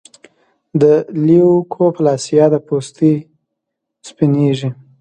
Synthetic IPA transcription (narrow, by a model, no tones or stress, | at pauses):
d̪əliukʰoplɑsijɑd̪əpost̪i | spineʒi